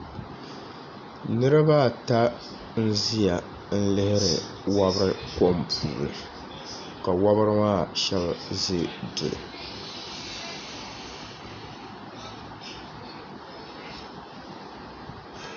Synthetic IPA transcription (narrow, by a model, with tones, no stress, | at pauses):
nɨ˦ɾɨ˦ba˦˨ta˦ | n̩˦zi˦ja˨ | n̩˦lɪ˦hɪ˦ɾɪ˨ | wa˦bɨ˦ɾɨ˦ko˦mpʰṵː˨ɾɨ̰˨ | ka˨wa˦bɨ˦ɾɨ˦maː˦˨ʃɛ˦bzɨ˦dʊ̰˨lɨ̰˨